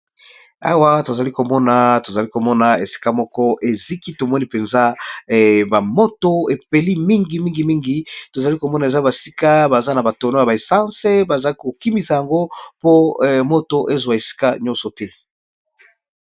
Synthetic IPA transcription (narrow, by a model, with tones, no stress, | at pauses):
a̰˨wa˦to˨za˨li˦ko˨mɔ˦na˨to˨za˨li˦ko˨mɔ˦na˨e˨si̥˦ka˦mɔ˦kɔ˦ʔe˨zi˦ki˦to˨mɔ˦ni˦pe˨nza˦˨ | ba˨mo˦to˦e˨pe˨li˦mi˦ŋɡi˨mi˦ŋɡi˨mi˦ŋɡi˨to˨za˨li˦ko˨mɔ˦na˨e˨za˦ba˨si̥˦ka˦ba˨za˦na˨ba˨to˨no˦ja˨ba˨e˨sã˦se˦ba˨za˨lki˦ko˨ki˦mi˨sa˨ja˨ŋɡo˦po˦˨mo˦to˨ʔe˦zwa˨e˨si̥˦ka˦ɲɔ˦nsɔ˨tɛ˦